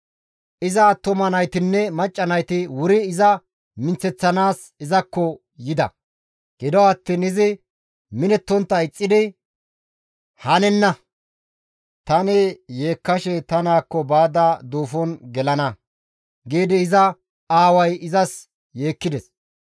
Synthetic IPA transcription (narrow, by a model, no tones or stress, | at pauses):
ʔɪzɐt̪ʊmɐnɐjt̪ɪnːɛmɐt͡ʃʼːɐnɐjt̪ɪwʊɾɪːzɐ | mɪnt͡sɛt͡sːɐnaːs | ɪzɐkːɔ | jɪd̪ɐ̰ | ɡ̥ɪd̪ɔɐt̪ːiːnɪzɪ | mɪnɛt̪ːɔnt̪ːɐɪt͡sʼːɪd̪ɪ | hɐnɛnːɐ | t̪ɐnɪje̞ːkːɐʃɛt̪ɐnaːkːɔbaːd̪ɐd̪oːfɔnɡɛlɐnɐ | ɡeːd̪ɪːzɐ | aːwɐjɪzɐs | jeːkːɪd̪ɛs